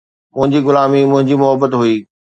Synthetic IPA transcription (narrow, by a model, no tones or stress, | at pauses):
mʊ̃ɦɪ̃ɲd͡ʑiɣʊlaːmimʊ̃ɦɪ̃ɲd͡ʑimʊɦəbət̪ɦuiː